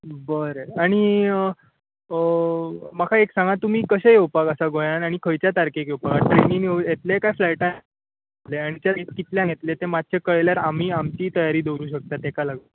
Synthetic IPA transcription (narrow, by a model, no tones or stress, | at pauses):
bəɾaɽ̃i | makʰaeksãŋɡat̪um̤iːkəɕejewpakəsaɡojanaɽ̃ikʰəjt͡ɕjat̪aɾkekjewpakaʈɾeniŋojet̪lekajflajʈa | leaɽ̃it̪jait̪kit̪ljãɡʱet̪let̪emat̪̚t͡ɕʰekəɭeljaɾam̤iːamt͡ɕiːt̪əjaɾiːd̪ewɾuːɕək̚t̪at̪ekalaɡu